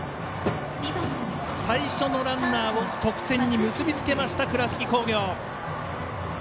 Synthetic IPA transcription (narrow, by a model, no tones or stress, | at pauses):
saiɕo̞no̞ɾãnːaːβo̞t̪o̞kɯ̟̥t̪ẽ̞ɲːimɯ̟sɨbʲit͡sɨ̥ke̞maɕi̥t̪akɯ̟ɾaɕi̥kʲiko̞ːɡʲo̞ː